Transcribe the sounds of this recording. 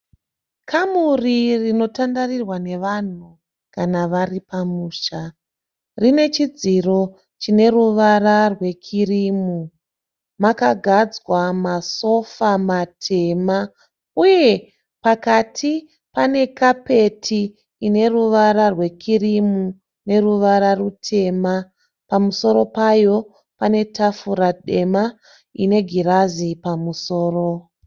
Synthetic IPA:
kʰamuririno̞tandarirwane̞ʋan̤u | kanaʋaripamuːʃa | rine̞t͡ʃid͡ziro̞ | t͡ʃine̞ruʋararwe̞kʰirimu | makaɡʱad͡zwamaso̞famatʰe̞ma | uje̞ | pakatʰi | pane̞kape̞tʰiː | ne̞ruʋaɾarwe̞kirimu | ne̞ruʋaɾarutʰe̞ma | pamuso̞ɾo̞pajo̞ | pane̞tafuɾaɗe̞ma | ḭne̞ɡʱiɾazipamuso̞ːro̞

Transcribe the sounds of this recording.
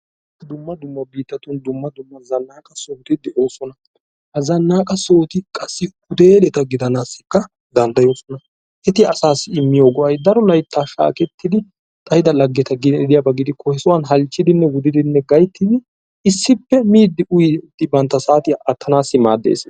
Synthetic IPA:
d̪ʊmːɐd̪ʊmːɐbiːt̪ːɐt̪ʊnd̪ʊmːɐd̪ʊmːɐzɐnːaːkʼɐso̞ːt̪ɪd̪ɛʔo̞ːsɔnɐ | hɐzɐnːaːkʼɐso̞ːt̪ɪkʼɐsːɪhʊd̪e̞ːlɛt̪ɐɡɪd̪ɐnaːsːɪ̥kːɐ | d̪ɐnd̪ɐjo̞ːsɔnɐ | ʔɛt̪ɪɐsaːsːɪɪmːɪjoːɡɔʔɐjd̪ɐɾɔlɐjt̪ːaːʃa̰ːkɛt̪ːɪd̪ɪ | t̪ʼɐjɪd̪ɐlɐɡːɛt̪ɐɡɪd̪ɪjɐbɐɡɪd̪ɪkʰɔhɛsʊwɐnɦɐlt͡ʃːɪd̪ɪnːɛwʊd̪ɪd̪ɪnːɛɡɐjt̪ːɪd̪ɪ | ɪsːɪpːɛmiːd̪ɪʔʊjt̪ːɪbɐnt̪ːɐsaːt̪ɪɐt̪ʰːɐnaːsːɪma̰ːd̪ːḛːs

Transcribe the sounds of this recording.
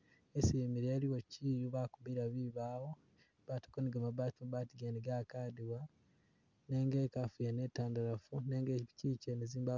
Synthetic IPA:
esimiɾeːliwociːjuβakuβiɾaβiβaːwo | βatḁkoniɡamaβatimaβaːtiɡeniɡakaːdiwa | neŋɡekafujanetaːndaɾafuneːŋɡeciceneziːmba

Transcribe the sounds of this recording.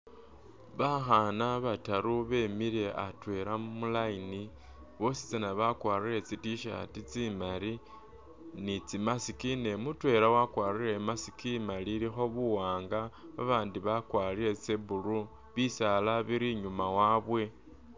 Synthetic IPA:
βaxanaβataɾuβe̞miɾe̞ʔatwe̞ɾamulaini | βo̞si̥t͡sanaβakwaːrire̞t͡sitiʃa̰tit͡simali | nit͡simasikine̞mutwe̞ɾawakwaːrire̞masi̥kimaliɾixo̞βuwaːŋɡaβa̰βaːndiβakwaːliɾe̞t͡seβulu | βisalaβiɾiɲumawaːβwe̞

